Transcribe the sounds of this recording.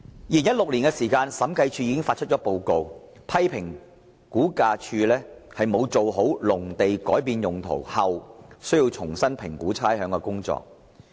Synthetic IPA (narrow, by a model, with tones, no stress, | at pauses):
jiː˨˩njɐ˥t̚lʊ˨k̚liː˨˩nkɛː˧siː˨˩kaː˧nsɐ˨˥mkʰɐ˧jt͡ʃʰyː˧jiː˧˥kɪ˥ŋfaː˧t̚t͡ʃʰt̚t͡ʃɔ˨˥po˨˧wko˨w | pʰɐ˥jpʰɪ˨˩ŋ | kuː˨˥kaː˧t͡ʃʰyː˧lɛː˥hɐ˨jmo˨˧wt͡so˨wɦo˨˥wlʊ˨˩ŋt̪e˨jkɔː˨˥jpiː˨˧njʊ˨˩ŋt̪ʰo̰˨˩whɐ˨wsɵ˥ɥji˧wt͡sʰʊ˨˩ŋsɐ˥npʰɪ˨˩ŋkuː˨˥t͡sʰaː˥jɦœː˨˥ŋkɔː˧kʊ˥ŋt͡sɔ̰ː˨k̚